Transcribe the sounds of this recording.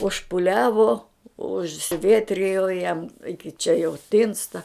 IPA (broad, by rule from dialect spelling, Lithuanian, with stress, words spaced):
ʊʃpʊˈlʲæːʋoː ʊʃʲsʲɪˈʋʲiɛtʲrʲɪjoː jɛm ɪkʲɪ t͡ʃʲɛ jɛʊ ˈtʲɪnstɐ